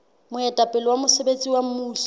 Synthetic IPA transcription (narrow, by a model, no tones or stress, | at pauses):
mʊɛtʼapʼɪlɔwamʊsebet͡sʼiwam̩muːɬ